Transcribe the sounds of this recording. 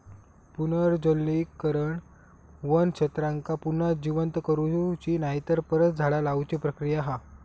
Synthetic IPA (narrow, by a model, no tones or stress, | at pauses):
punəɾd͡zolːikːəɾəɳ | ʋənɕʰət̪ɾãŋkapunad͡ʑiʋənt̪kəɾut͡ɕiːnaɦit̪əɾpəɾət̪̚d͡zʱaɭalaut͡ɕepɾəkɾijaɦa